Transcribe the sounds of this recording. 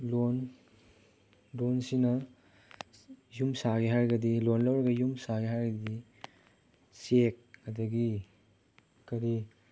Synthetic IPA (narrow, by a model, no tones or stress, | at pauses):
lon | lonsinɐ | jumsaɡeɦaɾɡɐdilonlowɾɐɡɐjumsaɡeɦaɾɡɐɐdi | sek̚ːɐdɐɡi | kɐɾi